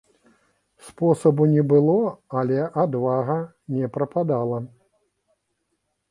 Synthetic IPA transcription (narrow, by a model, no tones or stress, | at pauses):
spɔsɐbunʲɛbɨlˠɔalʲɛʔad̪vaɣɐ | nʲɛpɾɐpad̪alˠɐ